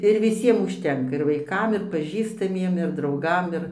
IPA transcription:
ɪr ʋʲɪˈsʲiɛm ʊʃʲˈtʲɛŋkɐ ɪr ʋɐɪˈkɐm ɪr pɐˈʒʲiːstɐmʲiɛm ɪr drɐʊˈɡɐm ɪr

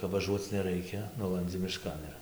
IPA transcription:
kɐp ʋɐˈʒuɔt͡s nʲɛˈrɐɪkʲɛ ˈnʊlˠɐnʲd͡zʲɪ mʲɪˈʃkɐn ɪr

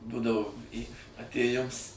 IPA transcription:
ˈdʊdɐʋoː ˈiː ɐtʲeːˈjɪms

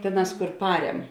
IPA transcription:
ˈtʲeːˌnɑːs kʊr ˈpɑːrʲɛm

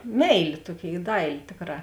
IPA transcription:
ˈmʲɛɪlʲeː ˈtuɔˌkʲeːɪ ˈdɐɪlʲeː ˈtʲeːkˌrɑː

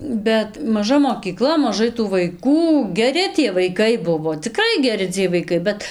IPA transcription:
ˈbʲɛt mɐˈʒɐ moːkʲiːˈklˠɐ mɐˈʒɐɪ tuː ʋɐɪˈkuː ɡʲɛˈrʲɪ tʲiɛ ʋɐɪˈkɐɪ ˈbʊʋoː t͡sʲɪˈkrɐɪ ɡʲɛˈrʲɪ t͡sʲiɛj ʋɐɪˈkɐɪ ˈbʲɛt

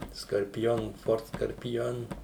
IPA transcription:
skɐrʲpʲɪˈjoːn ˈfoːrt skɐrʲpʲɪˈjoːn

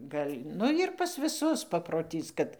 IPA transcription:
ˈɡɐlʲ ˈnʊ jɪr ˈpɐs ʋʲɪˈsʊs pɐproːˈtʲiːs kɐt

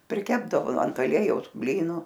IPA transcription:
pʲrʲɪˈkʲæːbdɐʋoː ɐnt ɐˈlʲiɛjɛʊs ˈbʲlʲiːnuː

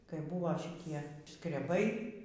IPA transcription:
kɐɪ ˈbʊʋoː ʃʲɪˈtʲiɛ skrʲɛˈbɐɪ

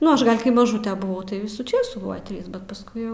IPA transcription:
ˈnʊ ˈɐʃ ɡɐlˠ kɐɪ mɐˈʒuːtr bʊˈʋɐʊ tɐɪ ˈʋʲɪsuː ˈt͡ʃʲeːsuː ˈbʊws ˈtʲrʲiːs bʲɛt pɐsˈkʊɪ jɛʊ

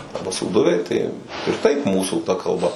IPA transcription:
ˈɐrbɐ suːˈdʊʋʲɛɪ tɐɪ ɪr tɐɪp ˈmuːsuː tɐ kɐlˠˈbɐ

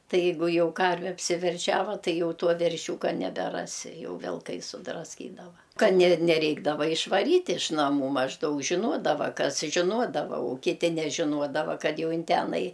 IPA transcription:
ˈtɐɪ ˈjɛɪɡʊ ˈjɛʊ ˈkɐrʲʋʲɛ ɐpʲsʲɪʋʲɛrʲˈʃʲæːʋɐ ˈtɐɪ ˈjɛʊ ˈtuɔ ʋʲɛrʲˈʃʲuːkɐ nʲɛbʲɛˈrɑːsʲɪ ˈjɛʊ ʋʲɪlˠˈkɐɪ sʊdrɐsʲˈkʲiːdɐʋɐ ˈkɐt nʲɛ nʲɛˈrʲɛɪɡdɐʋɐ ɪʃʋɐˈrʲiːtʲ ɪʃ nɐˈmuː mɐʒˈdɐʊk ʒʲɪˈnuɔdɐʋɐ ˈkɐs ʒʲɪˈnuɔdɐʋɐ ʊ kʲɪˈtʲɪ nʲɛʒʲɪˈnuɔdɐʋɐ ˈkɐt ˈjɛʊ ˈɪn ˈtʲæːnɐɪ

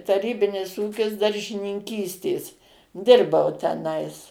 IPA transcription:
tɐˈrʲiːbʲɪnʲɪs ˈuːkʲɪs dɐrʲʒʲɪnʲɪŋʲˈkʲiːsʲtʲeːs ˈdʲɪrbɐʊ tʲɛˈnɐɪs

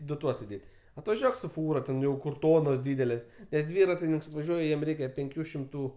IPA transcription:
ˈdʊ ˈtuɔs ɪˈdʲeːtʲ ɐtʋɐˈʒʲuɔk sʊ ˈfuːrɐ tʲɛn tʲɛn ˈjɛʊ kʊr ˈtoːnoːs ˈdʲiːdʲɛlʲeːs nʲɛs ˈdʲʋʲiːrɐtʲɪnʲɪŋks ɐtʋɐˈʒʲuɔj ˈjiɛm ˈrʲɛɪkʲɛ pʲɛŋʲˈkʲuː ʃʲɪmˈtuː

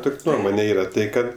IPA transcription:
ˈtʊkʲ ˈnuɔmoːnʲɛ ˈiːrɐ ˈtɐɪ ˈkɐt

